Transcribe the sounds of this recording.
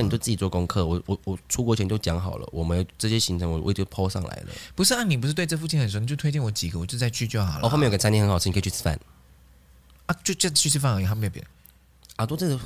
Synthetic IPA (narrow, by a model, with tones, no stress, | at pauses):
ni˨˩t͡ɕjo˥˧t͡s̩˥˩t͡ɕi˨˩t͡swɔ˥˩kʊ˥ŋkʰɤ˥˨wɔ˨˩wɔ˨˩wɔ˨˩ʈ͡ʂʰu˥kwɔ˧˥t͡ɕʰɥt͡ɕjo˥˩ʊt͡ɕjɑ˧˦˥ŋxɑ˨˩ʊlə̰˦wɔ˨˩mə˧˥˨ʈ͡ʂɤ˥˧ɕjɛ˦˥ɕi˧˥ŋt͡sʰə˧˦wɔ̰˨˩˦jo˥˩pʰa˥ʂɑ̰˥˨ŋla̰˨˦ɪlə̰˧˦pu˧ʂɻ̩˥˧a˥˩ni˨˩pu˧˦ʂɻ̩˥˧t̪we˧ʈ͡ʂɤ˥˧fu˥˩t͡ɕʰi˥nxə˨˩ʂ̬wɔ˥ni˨˩t͡ɕjt̪ʰwe˥ɪt͡ɕnwɔ˧˥˦t͡ɕi˨˩ɡə˦wɔ˨˩t͡ɕjt͡sa˥˧ɪt͡ɕʰy˥˧t͡ɕjo˥˩xɑ˨˩ʊɔ˨wa˥˧mjʰnjxə˧˥xʂ̩˥˧˨kʰt͡ɕʰfa̰˥˨n | a˥˧t͡ɕjo˥˧ʊt͡ɕt͡ɕʰy˥˧ʂ̬ɻ̩˥˧fɑ˥˩ŋə˧˥˧a˥˧m˧˥jj̰ɛ̰˧˦n | a˥˩t̪wɔ˥˩ʈ͡ʂə˥˩ɡə˧˨